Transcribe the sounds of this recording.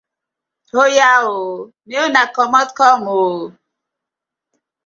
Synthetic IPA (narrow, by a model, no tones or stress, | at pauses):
hojao | neonakɔmɔtkɔmo